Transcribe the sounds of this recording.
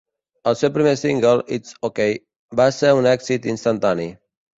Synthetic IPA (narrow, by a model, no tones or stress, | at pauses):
əlˠsɛwpɾimesiŋɡəlit̪sokej | baseɾunɛksit̪inst̪ant̪ani